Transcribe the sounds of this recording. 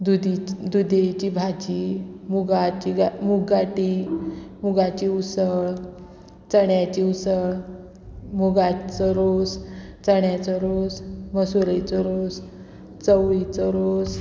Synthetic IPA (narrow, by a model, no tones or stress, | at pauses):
d̪ud̪id̪ud̪et͡ɕibʱad͡ʑimuɡat͡ɕiɡamuɡaʈi | muɡat͡ɕiusəɭ | t͡səɽjat͡ɕiusəɭ | muɡat͡səɾost͡səɽjat͡səɾosməsuɾət͡sɔɾos | t͡səwit͡səɾos